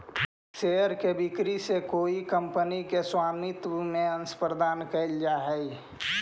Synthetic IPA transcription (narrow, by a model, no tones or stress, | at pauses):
seəɾkebikɾisekoːikəmpənikeswaːmit̪mẽənspɾəd̪aːnkəɪld͡ʒaɦɛ